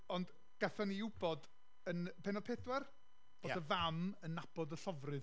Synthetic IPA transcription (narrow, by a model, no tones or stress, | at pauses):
ɔnd | ɡ̥aθɔniɪwbɔd | ənpʰeːnɔpʰedwɛr | b̥odəvamənːab̥ɔdəɬɔvrɨð